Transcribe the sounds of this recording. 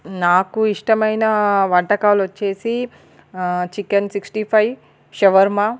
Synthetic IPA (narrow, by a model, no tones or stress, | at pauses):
naːkuiʂʈɐmɐjnɐʋɐʈɐkaːluʋɐt͡ʃːe̞ːsi | t͡ʃikensiksʈipʰɐjʋ | ʃɛʋɐɾma